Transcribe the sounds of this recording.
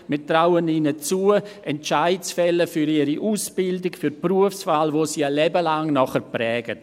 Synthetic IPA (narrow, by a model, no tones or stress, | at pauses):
mɪtraʊəniːnət͡suːəɛnt͡ʃaɪtsfɛləfyɾiːɾiʔuːsb̥ɪldɪkfyɾpruəfsfaːlvoːsiːalɛbəlaŋnɔχəɾprɛːɡ̥ət